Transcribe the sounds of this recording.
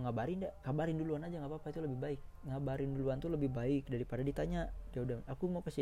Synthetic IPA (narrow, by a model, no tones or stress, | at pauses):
ŋabaɾindakabaɾɪnduluanad͡ʒaŋapapait̪uləbɪhbaɪk̚ŋabaɾɪnduluant̪uləbɪhbaɪk̚daɾipadadit̪aɲadiaudamakumapəsi